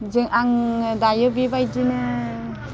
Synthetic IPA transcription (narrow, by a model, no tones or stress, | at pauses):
d͡ʒɯŋʔaŋdajɯbibajdinɯ